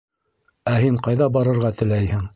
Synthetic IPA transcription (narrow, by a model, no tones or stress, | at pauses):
æhiɴqɑjðɑbɑɾɤ̆ɾʁɑt̪ɘ̆læjhɘŋ